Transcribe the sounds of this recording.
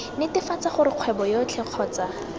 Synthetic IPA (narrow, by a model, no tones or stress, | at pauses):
nɪtɪfat͡saχʊɾɪq͡χʰwɛbɔjot͡ɬʰɛq͡χʰɔːt͡sa